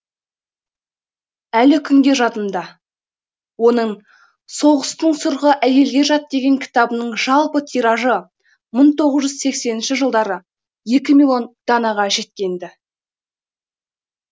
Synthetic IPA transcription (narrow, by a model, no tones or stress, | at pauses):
ælɪkʲʰʏŋɡʲe̞ʒɑt̪ənd̪ɑ | wo̞nəɴ | so̞ʁəst̪əɴsʊɾʁəʔæje̞lɡʲe̞ʒɑt̪̚d̪e̞ɡʲe̞ŋkʲʰɪ̥t̪ɑbənəɴʒɑlˠpət̪ʰiɾɑʒə | məɴt̪ʰo̞ʁəzʒʏzse̞kse̞nɪnʃɪʒəlˠd̪ɑɾə | je̞kʲɪmilˠo̞nd̪̥ɑnɑʁɑʒe̞t̪̚kʲe̞nd̪ɪ